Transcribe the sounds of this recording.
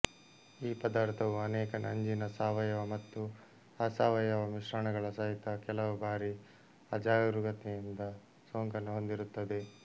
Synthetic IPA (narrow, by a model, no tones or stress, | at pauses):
iːpɐd̪aːɾt̪ʰɐʋuɐnɛːkɐnɐɲd͡ʒinɐsaːʋɐjɐʋɐmɐt̪ːu | ɐsaːʋɐjɐʋɐmiʃɾɐɳɐɡɐɭɐsɐɦit̪ɐkɛlɐʋubaːɾi | ɐd͡ʒaːjɾuɡɐt̪ejind̪ɐ | soːŋkɐneɦo̞nd̪iɾut̪ːɐd̪e̞